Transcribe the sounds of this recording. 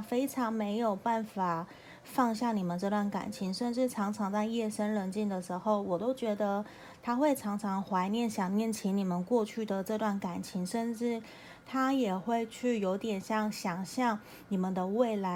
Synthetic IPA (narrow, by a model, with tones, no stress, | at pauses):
fe˥ɪʈ͡ʂʰɑ˧˥ŋme˧˥ɪjo˨˩ʊpa˥˩nfa˨˩ | fɑ˥˧ŋɕ̬jɑ˥˩ŋni˨˩mə˨˦nʈ͡ʂɤ˥˧t̪wa˥˩nka̰˨˩nt͡ɕʰi˧˥ŋʂə˥˧nʈ͡ʂɻ̩˥˩ʈ͡ʂʰɑ˧˥ŋʈ͡ʂʰɑ˧˥ŋt͡sa˥˧ɪjɛ˥˩ʂə˥nɻə˧˥nt͡ɕi˥˩nd̪ə˩ʂɻ̩˧˥xo˥˩ʊwɔ˨˩t̪o˥ʊt͡ɕɥɛ˧˥d̪ə˧ | t̪ʰa˥xwe˥˩ɪʈ͡ʂʰɑ˧˥ŋʈ͡ʂʰɑ˧˥ŋxwa˧˥ɪnjɛ˥˩nɕjɑ˨˩ŋnjɛ˥˩nt͡ɕʰi˧˥ni˨˩mə˦nkwɔ˥˧t͡ɕʰy˥˩d̪ə˩ʈ͡ʂɤ˥˧t̪wa˥˩nka˨˩nt͡ɕʰi˧˥ŋʂə˥˧nʈ͡ʂɻ̩˥˩ | t̪ʰa˥jɛ˨˩xwe˥˧ɪt͡ɕʰy˥˩jo˧˥ʊt̪jɛ˨˩nɕjɑ˥˩ŋɕjɑ˨˩ŋɕjɑ˥˩ŋ | ni˨˩mə˨˦nd̪ə˧we˥˩ɪla˧˥